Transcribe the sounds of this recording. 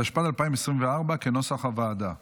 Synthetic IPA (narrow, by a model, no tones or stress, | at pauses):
aʃpat̪alpaimesʁimveaʁbakenosaχavaːd̪a